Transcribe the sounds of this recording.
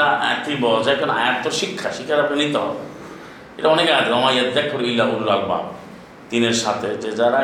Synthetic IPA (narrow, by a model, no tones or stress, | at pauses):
aɛk̪ibɔd͡ʑakʰona̰jat̪ːoɾʃikʰːaʃikʰːaɾabenit̪eɦɔ̰bḛ | eʈaɔnekaat̪eɾɔmajat̪d̪ɛkʰːoɾilːauɾuɾalba̰b | t̪ineɾʃat̪ʰed͡ʑed͡ʑaɾa